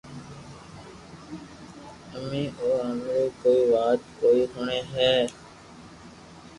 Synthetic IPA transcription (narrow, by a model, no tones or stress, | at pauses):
əmĩːʔoːəmɾiːkoːiːʋaːt̪koːiːsʊɳeːɦɛː